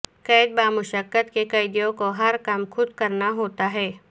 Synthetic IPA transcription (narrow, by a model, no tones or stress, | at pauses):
kɛːd̪̚baːmʊʃəkːət̪kekɐɪd̪jõkoɦɐɾkamxʊd̪kɐɾnaɦoːt̪aɦɛː